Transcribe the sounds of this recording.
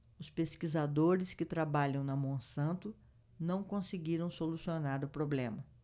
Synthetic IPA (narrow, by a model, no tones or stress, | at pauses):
ʊspeskizad̪oɾɪskɪt̪ɾabaʎɐ̃w̃nɐmõsɐ̃nt̪ʊ | nɐ̃w̃kõsɪɡiɾɐ̃w̃solusionaɾʊpɾoblẽmɐ